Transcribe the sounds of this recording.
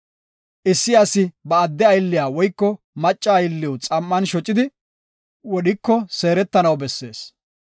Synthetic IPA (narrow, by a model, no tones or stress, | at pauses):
ʔɪsːɪjɐsɪbɐːd̪ːɛɐjlːɪjaːwɔjkːɔ | mɐt͡ʃʼːɐːjlːɪwʊt͡sʼɐmːɐnʃɔt͡ʃʼːɪd̪ɪ | wɔɗɪkːɔseːɾɛt̪ːɐnɐwbɛsːe̞̰ːs